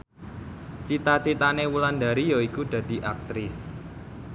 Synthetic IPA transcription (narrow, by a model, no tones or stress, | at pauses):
t͡ʃit̪at͡ʃit̪anewuland̪aɾijɔikud̪̥a̤d̪̥i̤ʔak̚t̪ɾɪs